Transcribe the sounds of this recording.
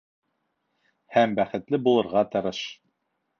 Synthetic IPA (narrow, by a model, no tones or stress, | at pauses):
hæmbæχɘ̆t̪lɘbulˠɤ̆ɾʁɑt̪ɤ̆ɾɤʃ